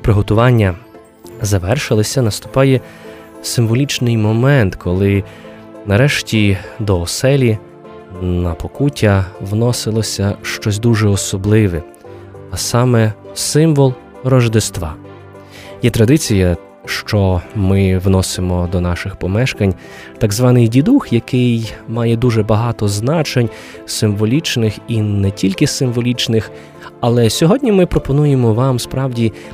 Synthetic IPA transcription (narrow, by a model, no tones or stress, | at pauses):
pɾɪɦɔt̪ʊʋɑnʲːɐ | zɐʋɛrʃɪlˠɪsʲɐnɐst̪ʊ̥pɑjɛ | sɪmʋɔlʲit͡ʃnɪjmɔmɛnt̪kʰɔlˠɪ | nɐɾɛʃtʲid̪ɔɔsɛlʲi | nɐpɔkutʲɐʋnɔsɪlˠɔsʲɐʃt͡ʃɔs̬ʲd̪uʒɛɔsɔblˠɪʋɛ | ɐsɑmɛsɪmʋɔlˠ | rɔʒd̪ɪst̪ʋɑ | jɛt̪ɾɐd̪ɪt͡sʲijɐ | ʃt͡ʃɔmɪwnɔsɪmɔd̪ɔnɑʃɪxpɔmɛʃkɐnʲ | t̪ɑɡzʋɑnɪjdʲid̪uxjɐkɪjmɑjɛd̪uʒɛbɐɦɑt̪ɔznɑt͡ʃenʲ | sɪmʋɔlʲit͡ʃnɪxinɛtʲilʲkɪsɪmʋɔlʲit͡ʃnɪx | ɐlˠɛsʲɔɦɔdʲnʲimɪpɾɔpɔnujemɔʋɑmspɾɑwdʲi